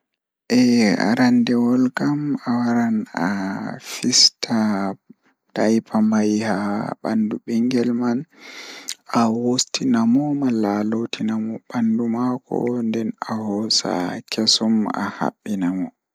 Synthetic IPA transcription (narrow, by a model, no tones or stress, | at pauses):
ʔɛa̰ɾandɛwɔlkamawaɾana̰fistʰa | d̥ajpʰamajhaɓanduɓiŋɡɛlman | awostinamɔmalalotʰinamɔɓandumakɔ̰ndɛnahɔsa̰kʰesɔma̰ha̰ɓːinamɔ